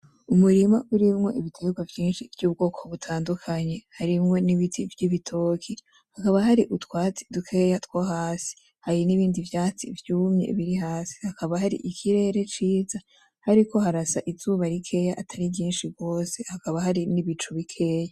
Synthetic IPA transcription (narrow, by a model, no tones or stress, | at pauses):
umuɾimaʔuɾimŋo̞̰ʔiβitʰeɡwavjiːnʃivjuːb̚ɡo̞ːkʰo̞βutʰaːndukʰaɲe̞haɾimŋo̞niβitʰivjiβitʰo̞kʰi | hakaβaɦaɾiʔutwaːt͡si̥dukʰe̞ːjatwaɦaːsi̥ | haɾiniβiːndivjaːt͡sḭvjuːmɲḛβiɾiɦaːsi̥hakʰaβaɦaɾḭʔikʰiɾe̞ɾe̞t͡ʃiːza | haɾiko̞ɦaɾasaʔizuːβaɾikʰe̞jaʔatʰaɾijiːnʃiɡɡo̞ːse̞hakaβaɦaɾiniβit͡ʃuβikʰe̞ːja